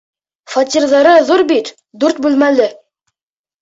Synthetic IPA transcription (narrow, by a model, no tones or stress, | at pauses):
fɑt̪ʲirðɑɾɤðuɾbit̪ | d̪ʉɾt̪̚bʉlmælɘ